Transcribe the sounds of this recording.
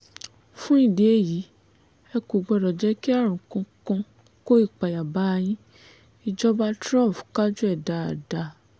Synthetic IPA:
fũ˦ĩ˦˨de˨˦e˦˨ji˨˦ | ɛ˧ku˨ɡ͡bɔ˧ɾɔ˨d͡ʒɛ˨˦ki˦a˦˨ɾ̃ũ˨kɔ̃˧kɔ̃˧ | ko˦i˦˨k͡pa˨ja˨ba˦˧j̃ĩ˦ | i˧d͡ʒɔ˦ba˦tɾã˦˨pka˦d͡ʒu˦ɛ˦˨da˨a˨da˨

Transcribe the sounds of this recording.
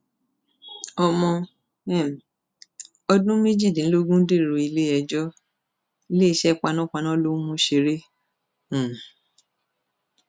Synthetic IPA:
ɔ˧mɔ̃˧ | ɛ˦˨m˨ | ɔ˧dũ˦me˦d͡ʒi˦˨dĩ˨˦lo˦ɡũ˦de˦˨ɾo˨i˨˧le˦ɛ˧d͡ʒɔ˦ | le˦i˧ʃɛ˦k͡pa˧nã˦k͡pa˧nã˦lo˦mũ˦ʃe˧ɾẽ˦˨

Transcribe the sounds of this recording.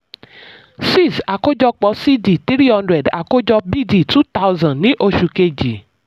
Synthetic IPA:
si˦˨sa˨ko˦d͡ʒɔ˧k͡pɔ˨˧si˦di˨t̪ɾi˦ɾi˦hɔ̃˦ndɾɛ˨da̰˨ko˦d͡ʒɔ˧bi˦˨di˨tu˦ta˦wzã˨nĩ˦ʔo˧ʃu˨ke˧d͡ʒi˨

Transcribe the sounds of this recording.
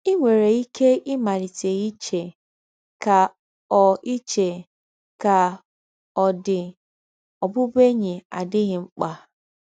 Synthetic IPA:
i˦ŋʷe˨ɾe˨i˦kʰe˦ʔɪ˦ma˨ɾi˨te˨i˦t͡ʃe˨ | ka˨ | ɔ˨i˦t͡ʃe˨ | ka˨ | ɔ˨dɪ˨ | ɔ˨bʊ˦be˦ɲe˨a˨dɪ˦ɣɪ˨ŋ͡m̩˦k͡pa˨

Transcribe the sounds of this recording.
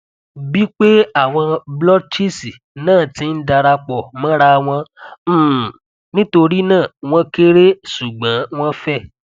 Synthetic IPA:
bi˦k͡pe˦a˦˨w̃ɔ̃˧blɔ˦t͡ʃi˦si˨ | nãː˦˨ti˨˦n̩˦da˧ɾa˧k͡pɔ˨mã˦ɾa˧w̃ɔ̃˧˦˨ | nĩ˦to˧ɾi˦nãː˦˨w̃ɔ̃˧ke˦ɾe˦su˨ɡ͡bã˨˦w̃ɔ̃˦fɛ˦˨

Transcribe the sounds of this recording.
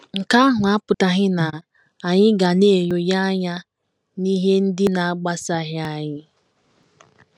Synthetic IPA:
ŋ̩˨ka˦ɦʊ˨a˦pʊ˨ta˨ɦɪ˦na˨ | a˨ɲɪ˦ɡa˨ne˦˨jo˨ja˦a˦ɲa˦ | ni˦ɦe˦n̩˦dɪ˦na˨a˦ɡ͡ba˦sa˦ɦɪ˦a˨ɲɪ˦

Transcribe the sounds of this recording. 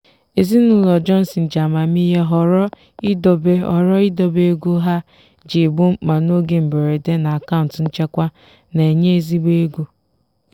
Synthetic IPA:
e˨zi˦nʊ˦lɔ˨d͡ʒɔ˦n̩˦si˨n̩˨d͡ʒa˨ma˨mi˦ɦe˦ɦɔ˨ɾɔ˦ | i˦do˨be˦ɔ̰˨ɾɔ˦i˦do˦be˦ɡu˦ɦa˦ | d͡ʒe˨bu˦ma˨no˦ɡe˦m̩˨be˨ɾe˨de˦na˨a˨ka˦ʊ̃˨n̩˨tn̩˦t͡ʃe˦kʷa˦ | ne˨e˨ɲe˦e˦˨zi˦be˦ɡu˦

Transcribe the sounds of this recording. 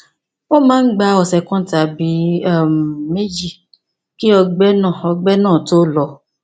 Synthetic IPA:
wo˦mãː˦n̩˦ɡ͡ba˧˦ɔ˧˨sɛ˧kɔ̃˦ta˨bi˨˦a˦˨me˦d͡ʒi˦˨ | ki˦ɔ˧ɡ͡bɛ˦nã˦˨ɔ˧ɡ͡bɛ˦nãː˦˨to˦lɔ˧

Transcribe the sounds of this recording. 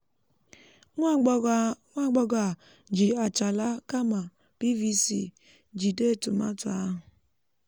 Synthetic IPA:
ŋʷ˦ | ŋʷa˦˨ɡ͡bɔ˦ɡa˨ | d͡ʒi˨a˨t͡ʃa˨la˦ka˦ma˨ | pi˦vi˦sḭ˦ | d͡ʒi˨de˦˨tu˨ma̰˦tʊ˨a˦ɦʊ˨

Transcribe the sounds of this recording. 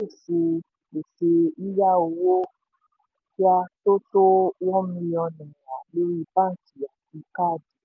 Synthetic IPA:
e˦˨se˧ | e˨se˧i˦ja˦o˧wo˦ | fi˦a˧to˦to˦wɔ˦mĩ˧jɔ˧nɛ̃˨a˨lo˦ɾi˦˧bã˦n̩˨ti˨ja˨ti˧ka˦˨di˨

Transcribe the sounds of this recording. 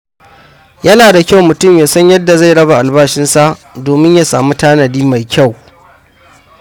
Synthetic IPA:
jɐ˦naː˨da˨kʲa˦˨wmʊ˨tʊ˦˨mjaː˨sɐ˦ɲjɐ˦dːa˨za˦˨jɽɐ˦ba˨ʔa˨lbaː˦ʃɪ˦nsa˦ʔdoː˨mɪ˦ɲja˦saː˨mu˦taː˦nɐ˨diː˦ma˨jkʲa˦˨w

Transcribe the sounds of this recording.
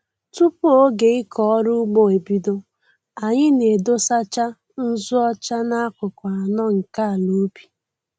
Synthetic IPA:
tu˦pu˦o˦ɡe˨ɪ˦kʰɔ˨ɔ˦ɾʊ˦ɡ͡bo˦e˨bi˦do˦ | a˨ɲɪ˦ne˨do˦sa˦t͡ʃa˦ | n̩˦zʊ˦ɔ˦t͡ʃa˦na˦a˦kʷʊ˨kʷa˨a˨nɔ˦ŋ̩˨ka˦a˨lu˨˦bi̥˨

